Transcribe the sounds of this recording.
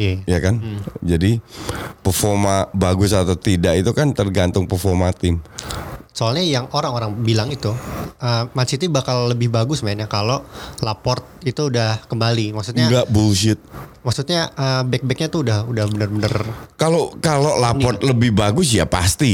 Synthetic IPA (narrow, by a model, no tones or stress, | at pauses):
ejakand͡ʒadipərfɔrmabaɡʊsat̪awt̪idaʔit̪ukant̪ərɡant̪ʊŋpərfɔrmat̪ɪm | soalɲajaŋoɾaŋoɾaŋbilaŋit̪uʔəmasit̪ibakalːəbɪhbaɡʊsmaɪnɲakalolapɔrt̪̚it̪uːdahkəmbalimaksu̥t̪ɲaɡaʔbulʃɪt̪̚maksut̪̚ɲaʔəbɛk̚bɛk̚ɲat̪uudahudahbənərbənərkalokalolapɔrt̪̚ləbɪhbaɡʊsjapa̰st̪i